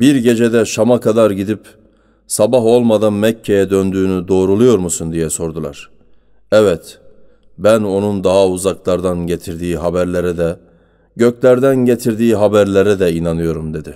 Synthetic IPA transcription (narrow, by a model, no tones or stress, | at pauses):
biɾɟe̞d͡ʒed̪ɛʃamakʰad̪aɾɟid̪ip | sabaɦo̞lˠmad̪anmɛcʰːe̞jɛd̪ønd̪yːnyd̪o̞ːɾulˠujo̞ɾmusund̪ijɛso̞ɾd̪ulˠa̰ɾ̥ | ɛvɛt̪ | bæno̞nund̪aɦauzaklˠaɾd̪anɟe̞t̪ʰiɾd̪iːɦabæɾlʲe̞ɾɛd̪ɛ | ɟøclʲæɾd̪ænɟe̞t̪ʰiɾd̪iːɦabæɾlʲe̞ɾɛd̪ɛinanɯjo̞ɾumd̪e̞d̪ɪ